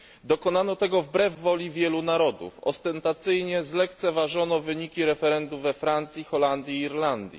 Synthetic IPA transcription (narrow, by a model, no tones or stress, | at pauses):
d̪ɔkɔnanɔt̪ɛɡɔvbɾɛvːɔlʲivʲjɛlunaɾɔd̪ṵfɔ̰st̪ɛnt̪at̪sɘjɲɛzlɛkt̪sɛvaʐɔnɔvɘɲikʲiɾɛfɛɾɛnd̪uvɛfɾant̪sʲixɔland̪ʲjiːɾland̪ʲjḭ